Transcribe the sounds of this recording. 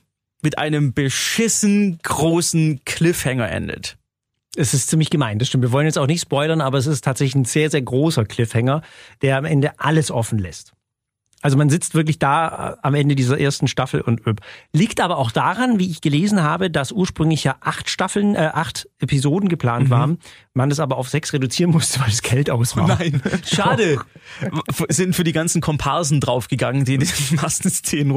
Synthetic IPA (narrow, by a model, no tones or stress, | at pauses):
mɪtʔa̰ɪnəmbəʃɪsn̩ɡ̥ʁoːsn̩kʰl̥ɪfhɛŋɐʔɛ̰ndə̰t | ɛsɪstt͡siːmlɪçɡ̥əmaɪnd̥asʃtɪmtviɐvɔlənjɛt͡staʊxnɪçtspɔʏlɐnʔaːbɐɛs̬ɪstʰːaːtz̥ɛçlɪçn̩zeːɐzeːɐɡʁoːsɐkl̥ɪfhɛŋɐd̥eːɐamʔɛndəʔaləsʔɔfn̩lɛst | ʔalzomanzɪt͡stv̥ɪɐk̬lɪçd̥aːamʔɛndədiːzɐʔeːɐstn̩ʃtafl̩ʊ̰ntʔøpliːktʔaːbɐaʊxd̥aʁanviːɪçɡ̥əleːzn̩ɦaːbədasʔuːɐʃpʁ̥ʏŋlɪçjaːʔaχtʃtafl̩nʔɛʔaχtʔepizoːdn̩ɡəpl̥aːntv̥aːʁən | manasʔaːbɐaʊfz̥ɛksʁedut͡siːʁənmʊstəvalsɡ̥ɛltaʊsnaɪnʃaːdə | fz̥ɪntfyːɐdiːɡant͡sn̩kʰɔmpʰaɐzn̩dʁaʊfɡ̥əɡaŋəndiːndimastn̩st͡seːnən